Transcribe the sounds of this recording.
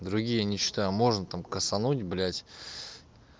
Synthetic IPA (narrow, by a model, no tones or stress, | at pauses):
d̪ɾʊɡʲijənʲɪɕːɪ̥t̪ajʊmo̞ʐnət̪amkəsɐnutʲblʲætʲ